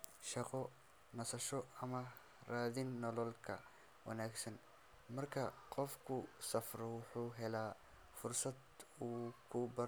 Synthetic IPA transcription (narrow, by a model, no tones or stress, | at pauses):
ʃɑqɔ | nɐsɐʃɔɐmɐ | raːðɪnːɔlɔlkʰɐ̰ | wʔɐ̰naːɡsɐn | mɐrkʰɐqɔfkʰʊsɐfɾwħuːɦɛlaː | fʊrsɐd̪uːkʰʊbɐ